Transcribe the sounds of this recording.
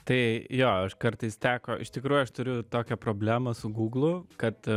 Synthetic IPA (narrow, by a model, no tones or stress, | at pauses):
t̪ɐɪjoːɐʃkɐɾt̪ɐɪst̪ʲæːkoːʔɪʃt̪ʲɪkɾuːjʊɐʃt̪ʊɾʲʊt̪oːkʲɛpɾoːbʲlʲæːmɐsʊɡuːɡlˠʊkɐt̪